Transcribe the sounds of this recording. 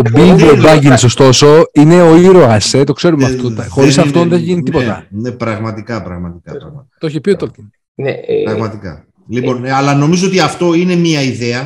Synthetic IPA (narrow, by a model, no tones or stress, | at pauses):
obivob̪ɐʝinisost̪o̞so̞ine̞oiɾoɐset̪o̞kse̞ɾumeɐfot̪ɐxo̞ɾisɐft̪onðeeçʝinit̪ipo̞t̪ɐ̰nepɾɐɣmɐt̪ikɐpɾɐɣmɐt̪ikɐɾɐɣɐt̪oçepiot̪oce̥ | neɾɐɣmɐt̪ikɐ̰ | lipo̞nɐlɐno̞mizoot̪iɐft̪o̞ine̞miɐiðeɐ